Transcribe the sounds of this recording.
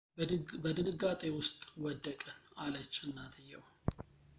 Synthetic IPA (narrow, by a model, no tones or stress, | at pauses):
bəd̪ɨnɨɡat̪ʼewʊst̪ʼwɔd̪ːəkʼənalət͡ʃːɨnːat̪ʰɨjːɛ̰w